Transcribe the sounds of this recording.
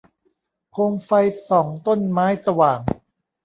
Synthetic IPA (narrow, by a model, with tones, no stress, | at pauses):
kʰoː˧ŋfa˧jsɔː˩˦ŋt̪o˥˩nmaː˦˥jsa˧waː˨˩ŋ